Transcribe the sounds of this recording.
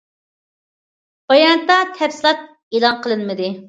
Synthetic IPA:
b̥ɑjɑnɨt̪ːɑt̪ʰɛfsɪlˠɑt̪̚ | eːlˠɑnqʰəlˠɨnmɨd̪ɨ

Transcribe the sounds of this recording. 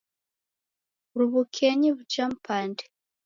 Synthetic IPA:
ɾuβukʰeɲiβut͡ʃampande̥

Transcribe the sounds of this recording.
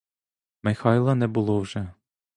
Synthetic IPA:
mɛxɑilˠɑnɛbulˠowʒɛ

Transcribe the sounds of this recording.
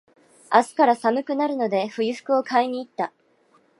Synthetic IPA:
asɨ̥kaɾasamɯ̟kɯ̟naɾɯ̟no̞d̪e̞ɸɯ̟iɸɯ̥kɯ̟o̞kʰaiɲ̟iːt̪ːa

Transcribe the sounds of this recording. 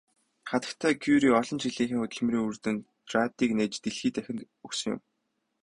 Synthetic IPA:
χat̪ə̥̆kt̪ʰæːkʰuɾiːɔɮɞ̆nt͡ɕiɮiːŋxiːŋʊt̪ɵ̆ɮmriːŋurt̪ɘ̆n | t̪rat̪iːkneːt͡ɕt̪eɮxiːt̪ʰæxʲɪ̆nt̪ | ɵksɵ̆ŋjʊ̰m

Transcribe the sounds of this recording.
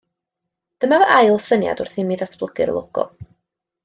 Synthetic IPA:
d̥əmavəʔajlˠsənja̰dʊrθɪmiːðatʰb̥lˠəɡ̥ɪɾlˠoɡ̥ɔ̰

